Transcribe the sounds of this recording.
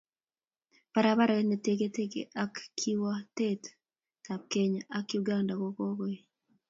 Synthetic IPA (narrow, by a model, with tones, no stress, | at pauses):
pa˨ɾaβa˦ɾa˨neteɡe˦te˦kḛ˨ʔa˦kːʰi˦watet | ta˨p̚ke˨ɲʔakjuɡanda˨ko˦kɔ˦kɔe˦